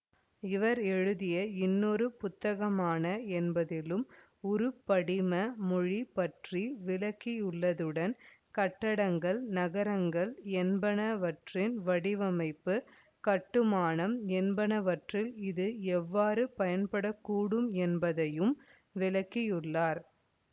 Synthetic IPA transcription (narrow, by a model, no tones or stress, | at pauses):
ɪʋɐɾɛɻɯðɪjɐɪnːɔɾɯpʊt̪ːɐɣɐmaːnɐɛnbɐðɪlɯm | ʊɾɯpːɐɽɪmɐmʊɻipːɐʈriʋɪlɐkːijʊɭːɐðɯɽɐnkɐʈːɐɽɐŋɡɐɭnɐɣɐɾɐŋɡɐɭɛnbɐnɐʋɐʈrɪnʋɐɽɪʋɐmɐɪpːɯ | kɐʈːɯmaːnɐmɛnbɐnɐʋɐʈrɪlɪðɯɛʋːaːɾɯpɐjɐnpɐɽɐkːuːɽɯmɛnbɐðɐjɯm | ʋɪlɐkːɪjʊɭːaːɾ